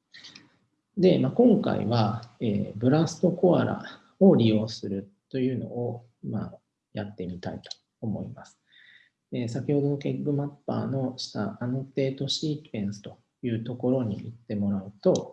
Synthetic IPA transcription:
d̪e̞makõ̞ŋka̰ḭβaeːbɯ̟ɾasɨ̥t̪o̞ko̞aɾa̰ | oɾʲijo̞ːsɨɾɯ̟t̪ːo̞jɯ̟ːno̞̰o | ma̰ | jat̪ːe̞mʲit̪a̰it̪o̥ːmo̞̰imasɨ̥ | es̬akʲiho̞d̪o̞no̞ke̞ɡːɯ̟mapːa̰ːno̞ɕi̥t̪a̰ano̞t̪e̞ːt̪o̞ɕiːtẽɰ̃sɨ̥t̪o̞ | jɯ̟ːt̪o̞ko̞ɾo̞ɲ̟ḭit̪ːe̞mo̞ɾaɯ̟t̪o̞

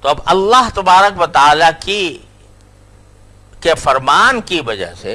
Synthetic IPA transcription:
t̪oɐbɐlːaɦt̪ɐbaːɾəkʋɐt̪ɐaːlaki | kefɐɾmaːnkiʋɐd͡ʒa̰ɦsḛ

